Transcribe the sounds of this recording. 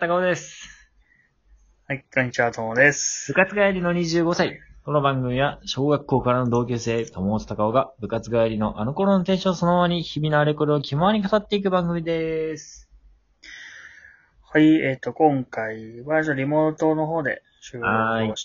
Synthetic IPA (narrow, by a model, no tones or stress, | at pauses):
t̪akaod̪e̞sɨ̥ | haikaɲit͡ɕat̪omod̪esɨ̥b̥ɯ̟kat͡sɨɡaaɾʲino̞ɲ̟iʑɨːɡo̞saiko̞no̞bãŋɡɯ̟mʲiβaɕo̞ːɡakːo̞ːkaɾano̞d̪o̞ːk̬ʲeːse̞ːt̪omo̞ːt͡so̥t̪akao̞ɡabɯ̟kat͡sɨɡaaɾʲino̞ʔano̞ko̞ɾo̞not̪ẽ̞ːɕoso̞noaɲ̟içibʲinaːɾekoɾɯokʲimoaɲ̟ikat̪at̪ːe̞ikɯ̟bãŋɡɯ̟mʲid̪e̞sɨ̥ | haieːt̪ːo̞kõ̞ŋkaiβad͡ʑaɾʲimo̞ːt̪o̞noɦoːd̪e̞̰ | ɕɨai